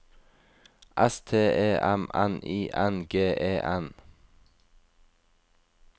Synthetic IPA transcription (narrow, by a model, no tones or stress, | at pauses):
ʔæst̪ʰeːʔeːʔæmæniːʔænɡeːʔeːʔæn